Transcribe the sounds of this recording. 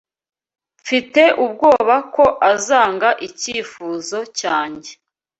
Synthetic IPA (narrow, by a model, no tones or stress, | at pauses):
fite̞ʔub̚ɡo̞ːβako̞ʔazaːŋɡaʔiciːfuːzo̞caːɲɟe